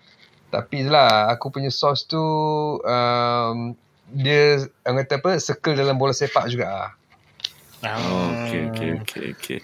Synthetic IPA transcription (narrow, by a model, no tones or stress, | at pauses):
t̪a̰pit̪ulahakupuɲəsɔst̪uəm | diəŋat̪apəsəkəldalambolasepaʔd͡ʒuɡaʔ | ookeokʰḛokʰḛo̰kʰḛ